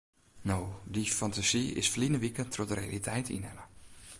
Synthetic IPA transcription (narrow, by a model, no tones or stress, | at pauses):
noːdifantasiɪ̰sflinəʋikəntʰrɔtdərɾeja̰litʰɛjtḭnɛnə